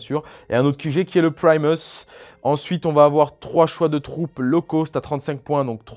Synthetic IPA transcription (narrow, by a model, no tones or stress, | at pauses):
syːʁḛɛ̃not̪χə̥syʒɛkʲiɛləpχajmɔs | ɑ̃sɥit̪ɔ̃vaːvwaʁt̪χwaʃwad̪ət̪χuplɔkosɛ̥t̪at̪χɑ̃t̪sɛ̃k̚pwɛ̃d̪ɔ̃k̚t̪